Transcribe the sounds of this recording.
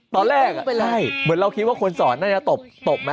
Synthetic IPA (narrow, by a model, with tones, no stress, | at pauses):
t̪ɔː˧nɾɛː˥˩k̚a˥˩jmɯ˨˩˦nɾa˧wkʰi˦˥t̪̚waː˥˩kʰo˧nsɔː˩˦nːaː˥˩t͡ɕa˦˥˩t̪o˨˩p̚t̪o˨˩p̚ma˦˥